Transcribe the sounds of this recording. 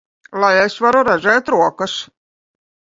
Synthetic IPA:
lˠajesvaɾuɾaʒɛːt̪ɾuɔkas

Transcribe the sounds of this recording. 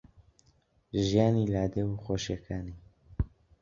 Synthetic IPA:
ʒijaːnilaːd̪ewuxoːʃekʰaːni

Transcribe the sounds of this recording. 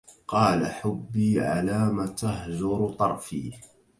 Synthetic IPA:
qɑːla̰ħʊbːiːʕa̰laːmat̪aɦd͡ʒʊɾt̪ˤɑɾˤfiː

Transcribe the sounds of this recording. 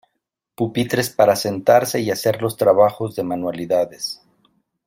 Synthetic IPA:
pupit̪ɾe̞spaɾase̞nt̪aɾse̞iase̞ɾlo̞st̪ɾaβaxo̞zðe̞manwaliðaðe̞s

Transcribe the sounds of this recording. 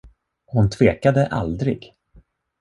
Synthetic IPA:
hʊnt̪ʰv̥eːkad̪əʔa̰ld̪ɾɪ̰ɡ

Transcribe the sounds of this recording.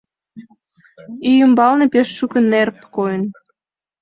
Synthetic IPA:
ijymbɑlnepeʃːukə̆nːerpkojən

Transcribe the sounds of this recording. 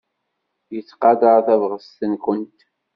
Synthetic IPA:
jət͡sːqɑd̪əʁθævʁəst̪ənkʷənt̪

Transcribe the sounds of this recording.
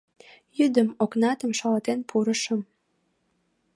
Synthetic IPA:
jyd̪əmoknɑt̪ə̆mʃɑlɑt̪enpʰuɾə̆ʃə̆m

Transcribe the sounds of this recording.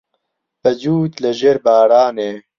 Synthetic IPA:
bɐd͡ʒuːt̪lɐʒeːɾbaːɾaːneː

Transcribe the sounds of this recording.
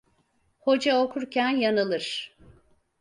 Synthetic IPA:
ho̞d͡ʒaokʰuɾcʰænjanɯlˠɯɾ̥

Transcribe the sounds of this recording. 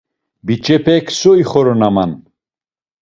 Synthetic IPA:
bit͡ʃʰʼɛpʰɛkʰsɔiχɔɾɔnaman

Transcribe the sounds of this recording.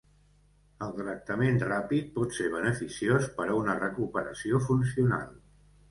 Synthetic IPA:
əlˠt̪ɾək̚t̪əmenrapit̪̚pɔt̪seβ̞ənəfisiospəɾəunərəkupəɾə̰siofunsiuna̰lˠ

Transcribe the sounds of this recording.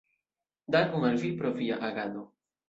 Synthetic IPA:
d̪aɾɡuŋalvipɾoviaʔaɡad̪o

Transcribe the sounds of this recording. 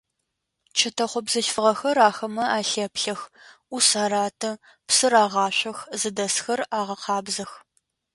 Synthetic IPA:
t͡ʃʰɐtʰɐχʷɔbzɐɬfɨʁɐxɐɾaːxɐmɐaːɬɐpɬɐx | usaːɾaːtʰɐ | psɨɾaːʁɑːɕʷɐxzɨdɐsxɐraːʁɐqʰɑːbzɐx

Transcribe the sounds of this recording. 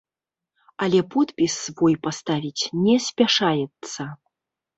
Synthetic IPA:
alʲɛpɔt̪pʲisːvɔjpast̪avʲit͡sʲnʲɛsʲpʲaʂajɛt̪sːɐ

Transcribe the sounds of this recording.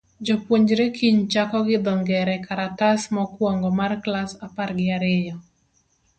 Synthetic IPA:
d͡ʒɔpwoɲd͡ʒɾekʰiɲt͡ʃakɔɡɪd̪ɔŋɡɛɾɛkaɾatasmɔkwɔŋɡɔmarklasaparɡɪaɾɪjɔ

